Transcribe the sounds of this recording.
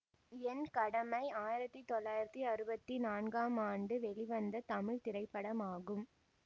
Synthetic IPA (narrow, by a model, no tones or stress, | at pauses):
ɛnkɐɽɐmɐɪaːjɪɾɐt̪ːit̪ɔɭːaːjɪɾɐt̪ːiɐɾɯbɐt̪ːinaːnɡaːmaːɳɖɯʋɛɭiʋɐnd̪ɐt̪ɐmɪɻt̪ɪɾɐɪpːɐɽɐmaːɣɯm